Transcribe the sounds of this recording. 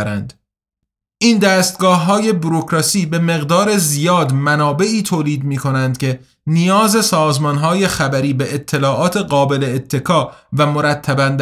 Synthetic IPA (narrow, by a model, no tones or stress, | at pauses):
ɾænd̪ | ʔiːnd̪æːst̪̚ɡɒːhːɒːje̞buɾokɾɒːsiːbe̞me̞ɣd̪ɒːɾe̞zijɒːd̪mænɒːbe̞iːt̪ʰoːliːd̪miːkʰo̞nænd̪̚cʲʰe̞ | nijɒːze̞sɒːzmɒnɦɒːje̞xæbæɾiːbe̞ʔːt̪ʰːe̞lɒːʔɒːt̪ʰe̞ɢɒːbe̞leːt̪ʰːe̞kʰɒːvæmo̞ɾæt̪ʰːæbænd̪